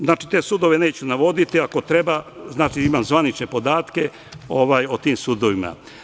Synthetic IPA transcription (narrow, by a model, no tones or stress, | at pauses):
znaːt͡ʃit̪e̞ːsuːd̪o̞ʋe̞ne̞ːt͡ɕunaʋo̞d̪it̪iako̞t̪ɾe̞baznaːt͡ʃiimaːmzʋanit͡ʃnepo̞d̪aːt̪ke̞ | o̞ʋaːjot̪iːmsuːd̪oʋima̰